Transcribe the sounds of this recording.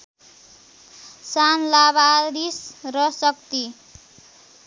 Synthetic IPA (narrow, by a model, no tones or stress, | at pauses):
sanlabaɾisrʌsʌk̚t̪i